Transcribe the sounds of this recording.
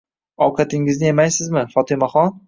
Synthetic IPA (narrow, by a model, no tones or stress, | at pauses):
ɒwqʰɑt̪ʰɪŋɪznɪemajsɪzmɪfɒt̪ʰɪmaχɒn